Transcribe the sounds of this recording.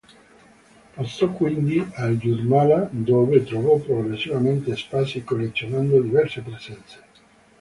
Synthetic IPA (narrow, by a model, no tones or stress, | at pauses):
past̪ɔkːwind̪iald͡ʒurmalad̪oːvet̪ɾovɔpɾoɡɾesːivament̪espasikolːet̪sːjonand̪od̪ivɛrsepɾezɛnt̪se̥